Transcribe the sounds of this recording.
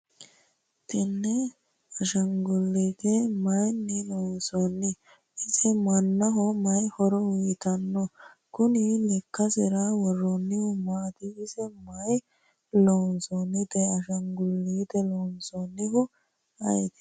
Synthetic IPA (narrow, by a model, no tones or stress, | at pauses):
t̪ɪnːɛ | ɐʃɐŋɡʊlːiːt̪ɛmɐjnːɪlɔnsɔnːɪ | ɪsɛmɐnːɐɦɔmɐjhɔɾɔwʊjt̪ɐnːɔ | kʊnilɛkːɐsɪɾawɔrːɔnːɪhʊmaːt̪ɪːsɛmɐj | lɔnsɔnːɪt̪ɛɐʃɐŋɡʊlːiːt̪ɛlɔnsɔnːɪɦʊ | ɐ̰jt̪ɪ̥